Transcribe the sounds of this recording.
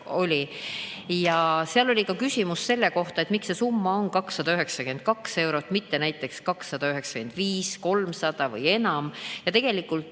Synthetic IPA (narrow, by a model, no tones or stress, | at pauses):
o̞lʲi | jɑseɑlo̞lʲikɑkysʲimusːe̞lːe̞ko̞ht̪ɑe̞t̪mikse̞sumːɑo̞nkɑksːɑd̪̥ɑyɦeksɑkend̪̚kɑkse̞wɾo̞t̪ːˑmit̪ːe̞næjt̪ːˑe̞kskɑksːɑd̪̥ɑyɦe̞ksɑ̥kend̪̥viːsko̞lmsɑd̪̥ɑvɤ̰je̞nɑmjɑt̪e̞ɡ̥e̞likˑːult̪